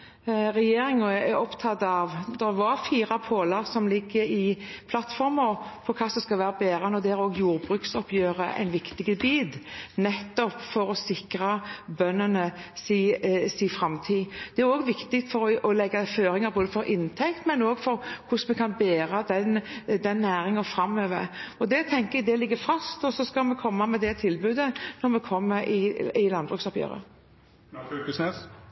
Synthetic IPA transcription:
ɾɛjeːɾɪŋɔɛɾɔpt̪ʰɑt̪ːɑʋd̪ɛʋɑɾfiːɾɑpʰoːlɑʁsɔmlɪɡːəɪpʰlɑt̪fɔɾməpʰɔkʰɑːsɔmskɑlʋæːɾɑbeːɾənɔd̪ɛæɾoːɡjuːɾbʁʉːksɔpjøːʁəʔæ̰ɪnʋɪkt̪ɪɡəbiːd̪nɛt̪ːɔpfɔɾɔsɪkɾɑbœnːənəsiːsiːfɾɑmt̪ʰiːd̪̥ɛæɾoːɡʋɪkt̪ɪt̪fɔɾɔɔlɛɡːɑføːɾɪŋɑɾboːd̪əfɔɾʔɪnt̪ʰɛkt̪mɛnoːɡfɔɾkʰʊsmɛkʰɑnbeːɾɑd̪ɛnd̪ɛnːæːɾɪŋəfɾɑmøːʋə̰ɾɔd̪ɛt̪ʰɛŋkəɛɡ̚d̪ɛlɪɡːəfʁɑst̪ɔsɔskɑlmɛkʰɔmːɑmɛd̪ɛt̪ʰɪlbʉːd̪ənɔʁmɛkʰɔmːəɾɪɪlɑnbʁʉksɔpjø̰ːɾə̰ | ses

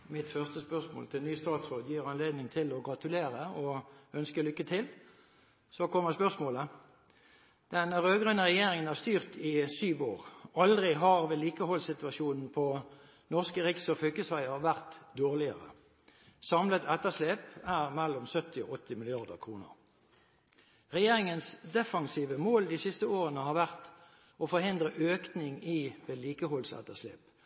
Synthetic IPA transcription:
mɪt̪fœʁst̪əspœʁsmo̰ːlt̪ʰɪlnyːst̪ɑːt̪sʁoːd̪jiːʁɑnleːd̪nɪŋt̪ʰɪlɔɡʁɑt̪ʉleːʁəɔœnskəlʏkːət̪ʰɪl | sɔkʰɔmːəʁspœʁsmoːlə | d̪̥ɛnʁøːɡʁʉnːəʁɛjeːʁɪŋənæʁst̪yːʁt̪ɪsyːʋo̰ːʁɑld̪ʁɪɦɑʁʋeliːkəhɔlsɪt̪ʉɑʃuːnn̩pʰɔ | nɔʁskəʁɪksɔfœkəsʋæɪəʁʋæʁt̪d̪oːʁlɪə̰ʁə̰ | sɑmlət̪ʰɛt̪ːəʂleːpæːʁmɛlːɔmsœt̪ɪɔ̰ʔɔt̪ʰːɪmɪlɪɑʁd̪ə̰ʁkʰʁuːnə̰ʁ | ʁɛjeːʁɪŋənsd̪ɛfɑŋsiːʋəmoːld̪iːsɪst̪əoːʁənəhɑːʁʋæʁt̪ | ʔɔfɔʁhɪnd̪ʁəʔøːknɪŋiːʋeːliːkəhɔlsɛ̰t̪əslḛːp

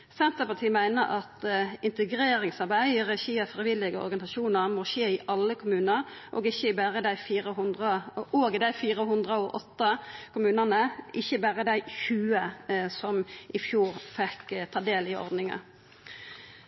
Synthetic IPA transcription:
sɛnt̪əpɑt̪ʰiːmæɪnəɾɑt̪ɪnt̪əɡɾeːɾɪŋsɑɾbæɪɪʁɛçiːəfʁɪʋɪlːɪɡəɔ̰ɾɡɑnɪsɑʃuːnəʁmɔɕeːɪʔɑlːəkʰʊmʉːnəʁʔo̰ːɡɪçːəbæːʁəd̪æɪfiːɾəɦʊnd̪ʁəʔoːɡd̪æɪfiːɾəɦʉnd̪ʁəoʔɔt̪ːɑkʰʊmʉːnənəʔɪçəbæːʁəd̪æɪçʉːəsɔmʔɪfjuːʁfɛkt̪ʰɑːd̪eːlɪɔ̰ʁd̪nɪŋə̰

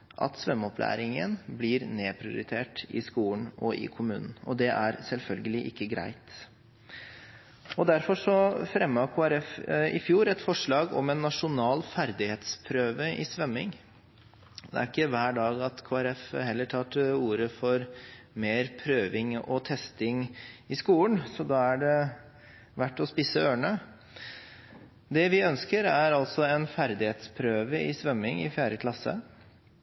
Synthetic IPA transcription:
ʔɑ̰t̪sʋœmːɔpʰlæ̰ːɾɪŋə̰nblɪɾneːpʰɾɪʊ̰ɾɪt̪ʰeːʈɪskuːn̩ɔʔɪ̰kʰʊmʉːnn̩ɔd̪ɛʔæɾsɛlfœlɡəlɪʔɪkːəɡɾæ̰ɪt̪ | ɔd̪æɾfɔʂɔfɾɛmːɑkʰoːæɾɛfɪfjuːɾɛt̪fɔʂɭɑːɡɔ̰mɛnːɑʂʊnɑːlfæɾd̪ɪheːt̪spʰɾøːʋəʔɪsʋœmːɪŋ | d̪ɛ̰æɾɪkːəʋæːɖɑːɡɑt̪kʰoːæɾɛfhɛlːəʈʰɑːʈ̪əuːɾəfɔɾ | meːɾpʰɾøːʋɪŋɔ̰t̪ʰɛst̪ɪŋɪskuːənsɔd̪ɑːæɖɛ | ʋæʈːɔspiːsəøːɳə | d̪ɛʋɪœnskəɾæɾɑlsɔɛnfæɾd̪ɪheːt̪spʰɾøːʋəɪsʋœmːɪŋɪ̰fjæːɾəkʰlɑsə̰

